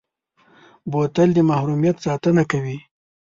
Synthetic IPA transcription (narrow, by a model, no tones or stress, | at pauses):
bot̪əld̪əmahɾumijat̪sɑt̪ənakawi